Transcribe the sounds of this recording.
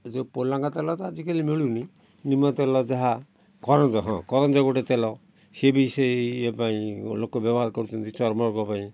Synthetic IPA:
d͡ʒepolaŋkat̪elɔt̪ɔad͡ʒikalimiɭuni | nimɔt̪elɔd͡ʒaɦa | kɔɾɔnd͡ʒɔɦɔ̰̃kɔɾɔnd͡ʒɔɡoʈet̪elɔ | sebisɔepaĩlokɔbɔbɔɦaɾkɔɾut͡ʃʰɔnt̪it͡ʃɔɾmɔɾɡɔpaĩ

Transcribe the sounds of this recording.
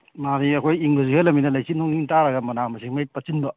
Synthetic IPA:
maɾiɐkʰojiŋbɐzuhelɐminɐlajsinɔŋiŋtaɾɐɡɐmɐnamɐsimajpɐt͡ʃinbɐ

